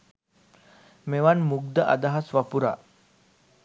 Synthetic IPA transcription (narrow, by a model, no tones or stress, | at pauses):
meʋanmuɡ̚d̪əʔa̰d̪aɦasʋapuɾa̰